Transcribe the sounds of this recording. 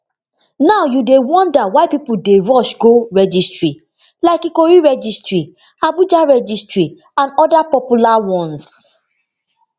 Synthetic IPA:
naʊjudewɔ̃ndawaɪpipudeɹɔʃɡoɹɛd͡ʒistɹi | laɪkikoɹiɹɛd͡ʒistɹi | abud͡ʒaɹɛd͡ʒistɹi | ãnɔdapɔpulawɔ̃ns

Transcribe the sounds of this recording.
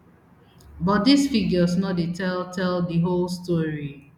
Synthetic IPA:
bɔt̚disfiɡəsnɔt̚detʰɛltʰɛldiɦolstɔɹi

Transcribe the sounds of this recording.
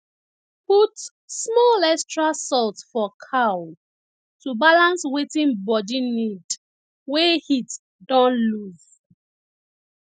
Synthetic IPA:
put | smɔlɛkstɹasɔltfɔkʰaw | tubalãnswetĩnbɔdinid | wehit | dɔ̃nluv

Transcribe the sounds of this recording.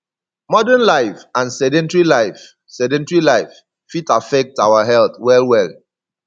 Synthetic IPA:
mɔdɛnlaɪfãnsɛdɛ̃ntɹilaɪf | sɛdɛ̃ntɹilaɪfː | itafɛk̚tawaɦɛlθwɛlwɛl

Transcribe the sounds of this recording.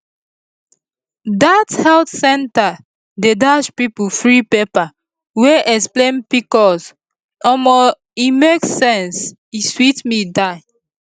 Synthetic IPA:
dathɛltsɛ̃nta | dedaʃpipufɹipepa | weʔɛksplẽnpikɔs | ɔmɔ | imeksɛ̃ns | iswitmidaɪ

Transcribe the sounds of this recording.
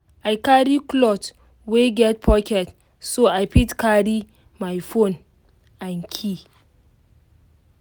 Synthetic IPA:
ʔajkaɾiklɔt | weɡɛt̚pʰɔkɛt | soajpitkaɾi | majfon | ʔaŋkʲʰi

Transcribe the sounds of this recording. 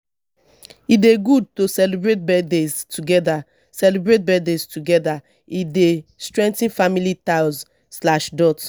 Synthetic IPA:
ideɡud̚tosɛlibɹet̚bɛdeztuɡɛda | sɛlibɹet̚bɛdeztuɡɛda | idestɹɛ̃ntĩnfamilitaz | slaʃdɔt

